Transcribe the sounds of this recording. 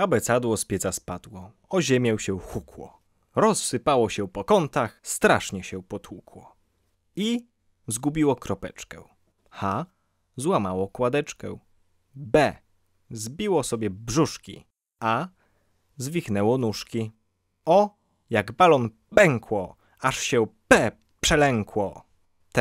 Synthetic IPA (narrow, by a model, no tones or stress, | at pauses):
abɛt̪sad̪wɔspʲjɛt̪saspad̪̥wɔ | ɔʑɛmʲjɛwɕɛxukwɔ̰ | ɾɔsːɘpawɔɕɛpɔkɔnt̪axst̪ɾaʂɲɛɕɛpɔt̪wukwɔ | i | zɡubʲiwɔkɾɔpɛ̰t͡ʂkɛ | xa | zwamawɔkwad̪ɛt͡ʂkɛ | bɛ | zbʲiwɔsɔbʲjɛbʐuʂkʲḭ | ʔa | zvʲixnɛwɔnuʂkʲi | ɔ | jaɡbalɔn | bɛŋkwɔ | aʂɕɛpɛ | pʂɛlɛŋkwɔ | t̪